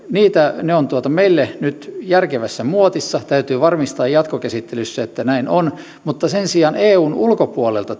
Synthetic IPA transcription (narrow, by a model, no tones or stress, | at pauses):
niːt̪æneont̪uot̪ɑmeilːenyt̪jærkeʋæsːæmuot̪isːɑt̪æyt̪yːʋɑrmist̪ɑːjjɑt̪kokæsit̪ːelysːæet̪ːænæinon | mut̪ːɑsensiɑːneːuːnulkopuolelt̪ɑ